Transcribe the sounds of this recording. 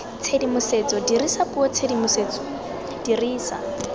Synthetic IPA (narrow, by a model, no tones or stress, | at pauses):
t͡sʰedimʊset͡sɔdirisapuɔt͡sʰedimʊseːt͡sɔ̥ | d̥iriːsa̰